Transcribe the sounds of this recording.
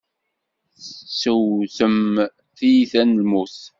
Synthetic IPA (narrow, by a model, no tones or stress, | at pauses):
səwθəm | θijiθænlmuθ